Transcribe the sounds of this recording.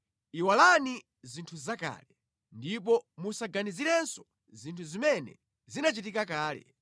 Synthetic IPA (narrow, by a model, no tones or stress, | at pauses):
iwalani | zintʰuzaka̰ːlɛ | ndip̬ɔmusaɡaniziɾɛnsɔ̥ | zintʰuzimɛnɛ̰ | zinat͡ʃit̬ikakaːlɛ̰